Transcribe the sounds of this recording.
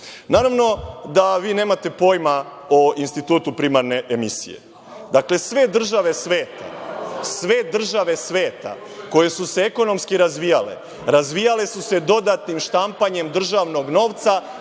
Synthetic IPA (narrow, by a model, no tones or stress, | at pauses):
naːɾaʋno̞d̪aʋiːne̞ːmat̪e̞po̞ːjma | oinst̪it̪uːt̪upɾimaɾne̞ʔemisḭje̞̰ | d̪akle̞sʋe̞d̪r̩ʒaʋe̞sʋe̞ːt̪a̰sʋe̞d̪r̩ʒaʋe̞sʋe̞ːt̪a̰ | ko̞je̞suseeko̞no̞mskiɾazʋijale̞̰ | ɾazʋijale̞suse̞d̪o̞d̪at̪nimʃt̪ampaɲe̞md̪r̩ʒaʋno̞ɡno̞ːʋt̪sa